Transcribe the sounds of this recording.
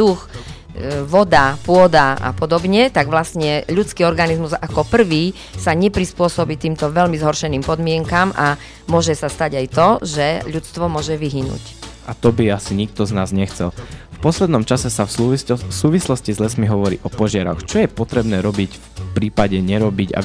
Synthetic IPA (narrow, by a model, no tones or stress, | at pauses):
d̪ux | ʋɔd̪apʊɔd̪aa̰pɔd̪ɔbɲɛt̪aɡʋlasɲɛʎut͡skiːɔɾɡanizmuzakɔpr̩ʋiː | saɲɛpɾispʊɔsɔbiːt̪iːmt̪ɔʋɛʎmizɦɔɾʃɛniːmpɔd̪mɪɛŋkamʔa | mʊɔʒɛsast̪aɟajt̪ɔʒɛʎut͡st̪ʋɔmʊɔʒɛʋiɦinṵcʔat̪ɔbiasiɲik̚t̪ɔznaːzɲɛxt͡sɛlfpɔslɛd̪nɔmt͡ʃasɛsafsuːʋislɔscizlɛsmiɦɔʋɔɾḭːʔɔpɔʒɪaɾɔ̰xt͡ʃɔjɛpɔt̪ɾɛbnɛːɾɔbiɟfpɾiːpaɟɛɲɛɾɔbiɟa̰